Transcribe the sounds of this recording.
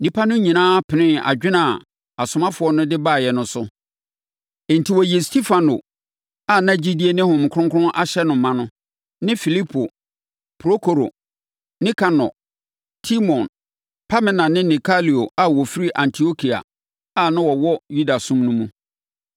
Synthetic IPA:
nĩ˦pʰa˦nʊ̃˦ɲĩ˨nãː˦pʰɪ˨nɪ̃˦a̰˨d͡ʑᶣɪ˦nã˨ | a˨sʊ˨mã˦fʊ˨ɔ˦nʊ̃˦dɪ˦baː˦˨jɛ˨nʊ̃˦sʊ˦˨ | n̩˨tʰi˨wɔ˨ji˨e˨stʰi˦fa˨no˨ | a˨nã˦d͡ʑi˦di˦e˦nɪ̃˦hʊ̃˨m˨kʰʊ̃˦ŋkʰʊ˦ɾʊ̃˦ʔa˦ɕɛ˦nʊ̃˨˦mã˦nʊ̃˦ | nɪ̃˦fi˨li˦pʰo˨ | pʰɾo˦kʰo˨ɾo̰˨ | nɪ̃˦kʰa˨nɔ̰˨ | tʰi˦mɔ̃˨n | pʰa˦mɪ̃˦nã˨nɪ̃˦nĩ˨kʰa˦li˨o˨a˨wɔ˨fi˦ɾi˦ʔã˨ntʰi˨o˦kʰi˨a̰˨ | a˦˨nʊ̃˦wɔ˨wɔ˦ju˦da˨sũ˦mnũ˦mũ˦

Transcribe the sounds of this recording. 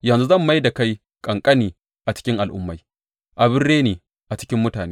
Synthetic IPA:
jɐ˨nzu˦zɐ˦˨mːa˦jda˨ka˦j | kʼɐ˨ŋkʼɐ˦niː˨ | ʔa˨t͡ʃɪ̥˦kʲɪ˦ŋʔa˨lʔʊ̰˦mːa˨˦j | ʔa˨bɪ˦rːeː˦neː˨ | ʔa˨t͡ʃɪ˦kʲɪ˦mːʊ˦taː˨neː˦

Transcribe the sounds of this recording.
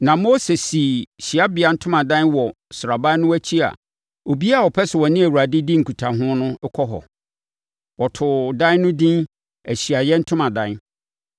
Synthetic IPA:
nã˨mo˦se˨si˨ɕi˨a˦bɪ˨a˨n̩˦tʰʊ˦mã˨dã˦nwɔ˨ | sʊ˨ɾa˨ba˦nʊ̃˦æ˦t͡ɕʰi˦a̰˨ | o˨bi˦a˦˨ɔ˨pʰɛ˦sɪ˨wɔ˨nɪ̃˦æ˨wu˨ɾa˨dɪ˦di˦ŋ̩˨kʰu˨tʰa˨ɦʊ̃˦nʊ̃˦kʰɔ˦ɦɔ̰˨ | wɔ˨tʰʊ˨dã˦nʊ̃˦dĩ˦n | æ˨ɕi˨a˨jɛ˦n̩˦tʰʊ̃˦mã˨dã˦n

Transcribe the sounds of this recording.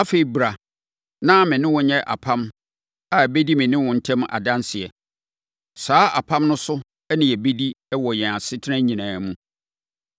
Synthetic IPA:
a˦fe˨i˨bɾa˨ | nã˦mɪ̃˨nɪ̃˦wɔ˨ɲɛ̃˦ʔa̰˨pʰã˦m | a˨æ˨be˦di˦mɪ̃˨nɪ̃˦wɔ̃˨n̩˦tʰɛ̃˦ma̰˨dã˦nsɪ˨ɛ˨ | saː˨˦a˨pʰã˦mnʊ̃˦sʊ˦ | ɛ˦nɪ̃˨ɛ˨be˦di˦ɛ˦wɔ˨jɛ̃˨a˨sɪ˦tʰɪ˦nã˦ɲĩ˨nãː˨mũ˦

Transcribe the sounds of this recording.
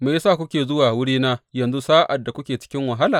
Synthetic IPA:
meː˨˦saː˦˨kʷʊ˦kʲeː˨zʊ˦waː˨wʊ˦ɽiː˦naː˦jɐ˨nzu˦saː˦ʔa˨dːa˨kʷʊ˦kʲeː˨t͡ʃɪ̥˦kʲɪ˦ŋwa˨ɦa˦laː˨

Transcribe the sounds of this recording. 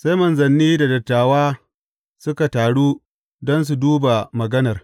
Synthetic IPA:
sa˦jmɐ˨nzɐ˨nːiː˦da˨dɐ˨tːaː˨waː˦ | sʊ˦ka˨taː˨ɽuː˦ | dɔ˦ns̬u˨duː˦ba˨mɐ˨ɡɐ˦nɐ˨r

